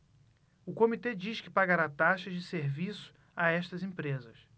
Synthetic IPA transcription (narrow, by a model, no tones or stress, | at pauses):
ʊkomit̪ed͡ʒiʃkɪpaɡaɾat̪aʃɐʒd͡ʒɪseɾvisʊ̥ | aɛʃt̪ɐzẽpɾezɐs